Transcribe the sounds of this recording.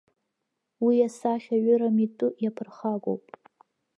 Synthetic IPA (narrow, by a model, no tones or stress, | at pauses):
wijasaχʲaɥʊɾamitʼʊjapʰɨrχaɡʷʼo̰wpʼ